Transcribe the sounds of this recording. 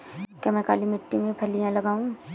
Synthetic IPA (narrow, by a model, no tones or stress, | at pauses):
kemɛ̃ka̰ːlimɪʈːimẽbʱɐlijãlɐɡaːũ